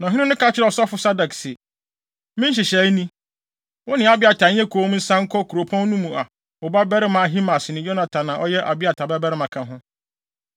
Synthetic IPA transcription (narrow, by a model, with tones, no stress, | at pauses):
nã˨ɦɪ̃˦nɪ̃˦nʊ̃˦ka˦t͡ɕʰɪ˦ɾɛ˦˨ɔ˨sɔ˦fʊ˦sa˦da˨ksɪ˨ | mɪ̃˦ɕ̬ɪ˨ɕɛ˨˦nĩ˦ | wɔ˦nɪ̃˨˦a˨bɪ˦a˨tʰa˨ɲ̩˦ɛ̃˦kʰoː˨˦m˦n̩˦sã˦ŋ̩˦kʰɔ˦kʰu˨ɾo˨pʰɔ̃˦n˦nũ˦mũ˨a˨ | wɔ˨ba˦bɛ˦ɾɪ˦mã˨ɦi˦mã˨sɪ˨nɪ̃˨jo˦nã˨tʰã˨nã˨ʔɔ˦jɛ˦ʔa˨bɪ˦a˨tʰa˨bɛ˦bɛ˦ɾɪ˦mã˨kʰã˨ɦʊ̃˦